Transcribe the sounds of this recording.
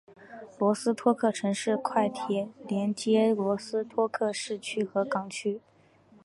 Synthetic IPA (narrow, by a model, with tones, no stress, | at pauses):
lwɔ˧˥sɹ̩˥t̪ʰwɔ˥kʰɤ˥˩ʈ͡ʂʰɤ˧˥ŋʂɻ̩˥˩kʰwa˥˩ɪt̪ʰjɛ˧˥ljɛ˧˥nt͡ɕjɛ˥lwɔ˧˥sɹ̩˥t̪ʰwɔ˥kʰɤ˥˧ʂɻ̩˥˩t͡ɕʰy˥xɤ˧˥kɑ˧˥ŋt͡ɕʰy˥